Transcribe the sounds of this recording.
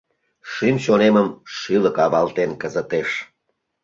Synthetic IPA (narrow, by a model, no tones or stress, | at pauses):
ʃymɕoneməmʃiləkɑβɑlt̪enkəzət̪eʃ